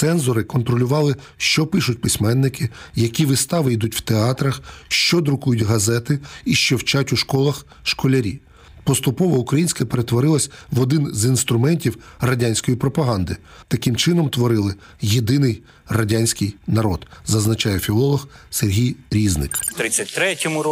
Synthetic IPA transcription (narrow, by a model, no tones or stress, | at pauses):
sɛnzɔɾɪkɔnt̪ɾɔlʲʊʋɑlˠɪ | ʃt͡ʃɔpɪʃʊtʲpɪsʲmɛnːɪkɪjɐkʲiʋɪst̪ɑʋɪjd̪utʲw̥t̪eɑt̪ɾɐxʃt͡ʃɔd̪ɾʊkujʊtʲɦɐzɛt̪ɪiʃt͡ʃɔwt͡ʃatʲʊʃkɔlˠɐx | ʃkɔlʲɐɾʲḭ | pɔst̪ʊpɔʋɔʊkɾɐjinʲsʲkɐpeɾet̪ʋɔɾɪlˠɐsʲʋɔd̪ɪnzinst̪ɾʊmɛnʲtʲiwrɐdʲanʲsʲkɔjipɾɔpɐɦɑnd̪ɪ | t̪ɐkɪmt͡ʃɪnɔmt̪ʋɔɾɪlˠɪ | jed̪ɪnɪj | rɐdʲanʲsʲkɪjnɐɾɔd̪zɐznɐt͡ʃɑjɛfʲilˠɔlˠɔxserɦʲijɾʲiznɪ̰kt̪ɾɪt͡sʲːɐtʲt̪ɾɛtʲɔmʊ